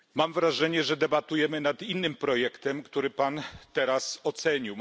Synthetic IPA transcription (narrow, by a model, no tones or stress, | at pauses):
mamvɾaʐɛɲɛʐɛd̪ɛbat̪ujɛmɘnat̪inːɘmpɾɔjɛkt̪ɛmkt̪uɾɘpant̪ɛɾasɔt̪sɛɲiw